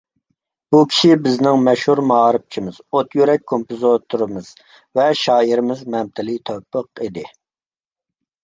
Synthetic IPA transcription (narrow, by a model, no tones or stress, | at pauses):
b̥ukʲʰi̥ʃibɪznɪŋmɛʃhuɾmɑɾɨp̚t͡ʃʰimɪz̥ot̪ʰjyɾɛk̚ʲkʰompɨzot̪ʰuɾɨmɨz̥ | vɛʃɑːiɾɪmɪzmɛmt̪ʰɪlɪt̪ʰøwpʰːəqid̪ɪ